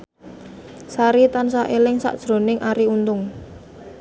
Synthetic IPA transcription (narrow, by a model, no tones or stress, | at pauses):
saɾit̪ansaʔelɪŋsa̰ʔd̥ʒ̥ɾo̤nɪŋʔaɾiunt̪ʊŋ